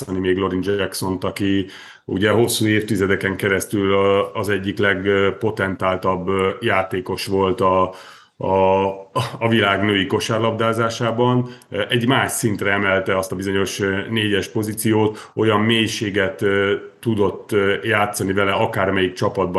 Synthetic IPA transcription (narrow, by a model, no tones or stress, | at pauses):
ɒnimeːɡlo̞ɾind͡ʒɛkso̞nt̪ɒki | ṵɟɛɦo̞sːuːeːft̪izɛd̪ɛkɛŋkɛɾɛst̪ylːzɛɟːiklɛɡpo̞t̪ɛnt̪aːlt̪ɒbːjaːt̪eːko̞ʃʋo̞lt̪ɒ | vilaːɡnøːiko̞ʃarlɒbd̪aːzaːʃaːbɒnʔɛɟmaːʃsint̪rɛɛmɛlt̪ɛɒst̪ɒbizo̞ɲo̞ʃneːɟɛʃpo̞zit̪sijoːt̪ | o̞jɒmːeːjʃeːɡɛt̪ːud̪o̞t̪ːjaːt̪sːɒnivɛlɛɒkaːrmɛjikt͡ʃɒpɒd̪̚bɒ